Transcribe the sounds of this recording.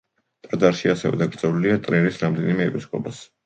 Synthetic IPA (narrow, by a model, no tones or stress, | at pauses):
t̪ʼad̪aɾʃiasɛvɛ̰d̪aɡɾd̪zʼɛluliat̪ʼɾɛɾisɾamd̪ɛnimɛːpʰiskʼɔpʼas